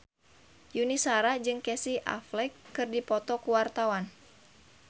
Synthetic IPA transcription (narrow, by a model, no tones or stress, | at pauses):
junisaɾad͡ʒɨŋkɛsiʔa̰flɛkːɨrdipɔt̪ɔkuwart̪awan